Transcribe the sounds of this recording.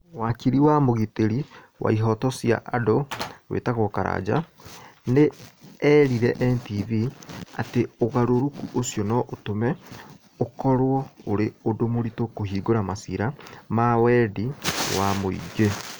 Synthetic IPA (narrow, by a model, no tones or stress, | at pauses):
wakiɾiwamoɣiteɾi | wʔa̰iɦɔtɔsia̰ʔadoɣwḛːtaɣokaɾa̰d͡ʑa̰ | neɛɾiɾɛʔɛntiviateoɣaɾoɾokuʔosjɔnɔʔotomɛ | okɔɾwɔoɾeodomoɾitokohiːɡoɾamasiɾamawɛdiwamoḭɡe